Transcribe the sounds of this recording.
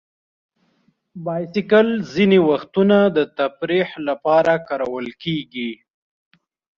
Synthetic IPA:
bɑjsɪkalzinewaxt̪unad̪ət̪afɾihlapɑɾakɑɾawəlkeɡi

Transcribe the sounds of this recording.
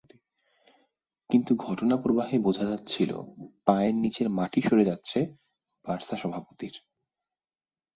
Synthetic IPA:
kint̪uɡʱɔʈonapɾobaɦebod͡ʑʱad͡ʑat̪ːt͡ɕʰilo̰paennit͡ɕeɾmaʈiʃoɾed͡ʑatːɕʰe | b̥aɾsaʃɔbʱapot̪iɾ

